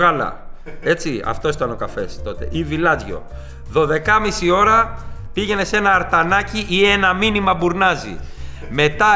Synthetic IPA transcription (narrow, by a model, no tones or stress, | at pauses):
ɣɐlɐ̰ | e̞t͡siɐ̰ft̪o̞sit̪ɐno̞kɐfe̞̰st̪o̞t̪e̞̰ʔivilɐzʝo̞̰ | ðo̞ðe̞kɐmisio̞ɾɐpiʝe̞ne̞se̞nɐːɾt̪ɐnɐciʔie̞nɐminimɐbuɾnɐzḭ | me̞t̪ɐ